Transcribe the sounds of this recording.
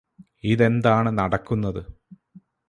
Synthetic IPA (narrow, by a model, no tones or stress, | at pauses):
iðe̞nd̪aːɳɨnɐɽɐkːunːɐðɨ